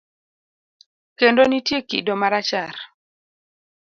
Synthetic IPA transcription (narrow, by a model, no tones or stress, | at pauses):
kendonitjekḭdomaɾat͡ʃaɾ